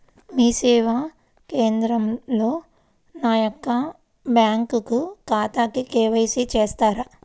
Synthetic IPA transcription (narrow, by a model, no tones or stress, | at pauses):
miːsɛːʋa | ke̞ːnd̪ɾɐmlo̞ː | naːjokːɐ | bjaːŋkukukaːt̪aːkikeːʋɐjsit͡ʃeːst̪aːɾɐ